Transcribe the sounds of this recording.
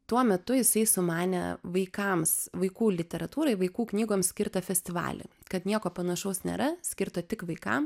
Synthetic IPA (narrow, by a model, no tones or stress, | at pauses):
t̪uɔmʲɛt̪ʊjɪsɐɪsʊmɑːnʲɛ̰ʋɐɪkɐmsʋɐɪkuːlʲɪt̪ʲɛɾɐt̪uːɾɐɪʋɐɪkuːknʲiːɡoːmsʲkʲɪɾt̪ɐfʲɛsʲt̪ʲɪʋɑ̰ːlʲḛ | kɐt̪nʲiɛkoːpɐnɐʃɐʊsnʲḛːɾɐsʲkʲɪɾt̪ɐt̪ʲɪkʋɐɪkɐ̰m